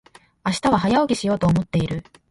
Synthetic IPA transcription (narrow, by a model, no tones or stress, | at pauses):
aɕi̥t̪aβ̞aɦajaoɡʲiɕijo̞ːt̪o̞ːmo̞t̪ːe̞iɾɯ̟